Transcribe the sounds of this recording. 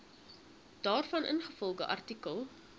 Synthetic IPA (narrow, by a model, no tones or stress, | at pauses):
d̥ɑːrfɐnʔə̰nχəfɔlˠχəʔɐ̰rtikəlˠ